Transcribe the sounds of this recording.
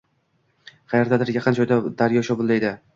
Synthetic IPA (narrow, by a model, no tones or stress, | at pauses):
χʰɑjaɾd̪ad̪ɪɾjɑqɨnd͡ʒʰɒjd̪ad̪aɾjɒʃɒbʊlˠːajd̪ɪ